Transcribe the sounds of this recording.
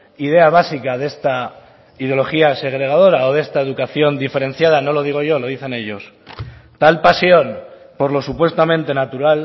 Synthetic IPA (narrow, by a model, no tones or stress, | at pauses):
ið̞e̞aβ̞asikaðe̞st̪a | iðjo̞lo̞xiase̞ɣ̞ɾe̞ɣað̞o̞ɾao̞ðe̞st̪ae̞ðukaθjo̞nd̪ife̞ɾe̞n̟θjað̞ano̞lo̞ðiɣ̞o̞ʝo̞lo̞ðiθe̞ne̞ʎo̞s | t̪alpasjo̞n | po̞ɾlo̞supwe̞st̪amẽnt̪e̞nat̪uɾal